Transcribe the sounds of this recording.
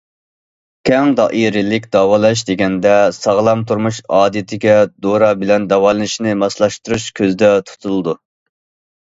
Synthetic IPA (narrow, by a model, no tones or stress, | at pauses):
kʲʰɛŋd̪ɑ̰ʔiɾɪlɪkʲd̪ɑwɑlˠɑʃ̬d̪eɡʲɛnd̪ɛsɑʁlˠɑmt̪ʰuɾmuʃɑːd̪it̪ʰɪɡʲɛd̪oɾɑbɪlɛnd̪ɑwɑlˠɨnɪʃnɪmɑslˠɑʃt̪uɾuʃkʲʰøzɪd̪ɛt̪ʰu̥t̪ʰulˠɨd̪u